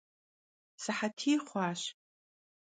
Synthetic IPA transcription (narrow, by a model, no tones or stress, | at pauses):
sɨħatʰiːχʷaːʃ